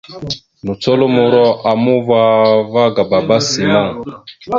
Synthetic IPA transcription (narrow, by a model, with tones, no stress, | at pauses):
nu˨t͡sɔ˦lo˦mo˨ɾɔ˦ʔa˨mu˦va˦va˦ɡa˨ba˨ba˦si˨mɔ̃˦˨